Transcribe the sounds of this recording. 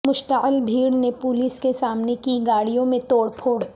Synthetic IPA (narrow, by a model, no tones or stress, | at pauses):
mʊʃt̪əɪlbʱiːɽnepʊliːskesaːmnekiɡaːɽijõmẽt̪oːɽpʰoːɽ